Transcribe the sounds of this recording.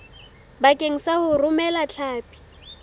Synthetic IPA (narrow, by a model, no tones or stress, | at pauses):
bakʼeŋ̩sahʊrʊmɛlat͡ɬʰaːpʼi̥